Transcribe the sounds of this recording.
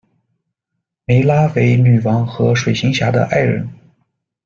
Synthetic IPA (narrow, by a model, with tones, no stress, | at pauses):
me˧˥ɪla˥we˧˥ɪny˨˩wɑ˧˥ŋxɤ˧˥ʂwe˨˩ɪɕi˧˥ŋɕja˧˥d̪ə̰˧ʔa˥˩ɪɻə̰˧˥n